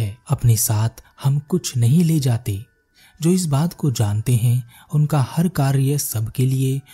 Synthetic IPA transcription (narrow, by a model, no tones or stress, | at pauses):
ɛɐpnesaːt̪ʰhɐmkʊt͡ʃʰnɐɦĩleːd͡ʒaːt̪e | d͡ʒoːɪs̬baːt̪kod͡ʒãːnt̪eɦɛ̃ | ʊnkahɐɾkaːɾjəsɐbʱkelie